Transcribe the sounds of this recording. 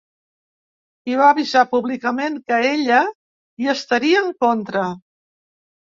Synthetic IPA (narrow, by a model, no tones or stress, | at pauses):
iβaːβizapuβlikəmeŋkəeʎə | iəst̪əɾiəːŋkont̪ɾə